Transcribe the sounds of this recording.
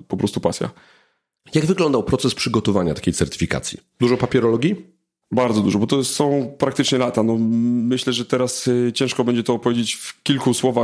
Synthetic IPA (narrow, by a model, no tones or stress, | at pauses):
pɔpɾɔst̪upasʲja̰ | jaɡvɘɡlɔnd̪awpɾɔt̪sɛspʂɘɡɔt̪ɔvaɲat̪ḁkʲejtsɛɾt̪ɘ̥fʲika̰t̪sʲjḭd̪uʐɔpapʲɛɾɔlɔɡʲji | baɾd̪zɔd̪uʐɔbɔt̪ɔsɔ̃w̃pɾak̚t̪ɘt͡ʂɲɛlat̪anɔmɘɕlɛʐɛt̪ɛɾast͡ɕɛ̃ʂkɔbɛɲd͡ʑɛt̪ɔːpɔvjed͡ʑet͡ɕfkʲilkuswɔva